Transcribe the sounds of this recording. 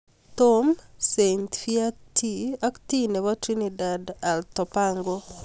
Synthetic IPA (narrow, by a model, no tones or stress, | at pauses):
tomsent̪fiatʰiaktineβɔtɾinidadaltɔpaŋɡo